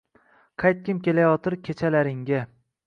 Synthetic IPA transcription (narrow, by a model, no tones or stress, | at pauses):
qʰɑjt̪̚kʲɪmkʲe̞lajɒt̪ɪɾkʲʰet͡ʃʰalaɾɪŋɡʲa